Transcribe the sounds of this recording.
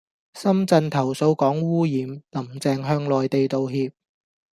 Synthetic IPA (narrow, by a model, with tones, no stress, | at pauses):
sɐ˥mt͡sɐ˧nt̪ʰɐ˨˩wso˧wkɔː˨˥ŋwuː˥jiː˨˧mnɐ˨˩mt͡sɛː˨ŋɦœː˧ŋlɔː˨jt̪e˨jt̪o˨wɦiː˧p̚